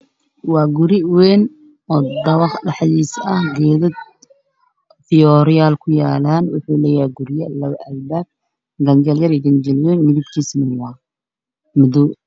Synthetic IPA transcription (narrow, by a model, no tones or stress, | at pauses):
wɑːɡʊɾɪwɛːn | ɔːd̪ɐβɑχɖɑħðiːsɐhɡɛːðɐd̪ | t̪ʰɪɔɾɪjaːlkʰʊjaːlaːnwʊħuːlɛːjajɡʊɾjɐlɐʔɐlbaːb̚ | ɡɐnd͡ʒɐljɐɾiɡɐnd͡ʒɐlwɛːnmɪðɪbkʰiːsmɪnwɑː | mʊðuː